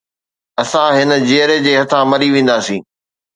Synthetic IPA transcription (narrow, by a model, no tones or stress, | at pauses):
ɐsãɦɪnə̆d͡ʑiəɾed͡ʑeːɦɐt̪ʰãmɐɾiʋẽːnd̪aːsĩː